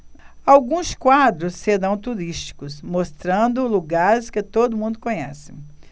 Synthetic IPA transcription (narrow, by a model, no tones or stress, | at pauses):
awɡũskwad̪ɾʊsːeɾɐ̃w̃t̪uɾiʃt͡ʃi̥kʊsmost̪ɾɐ̃nd̪ʊluɡaɾɪskɪt̪od̪ʊmũnd̪ʊkõɲɛ̰sɪ̥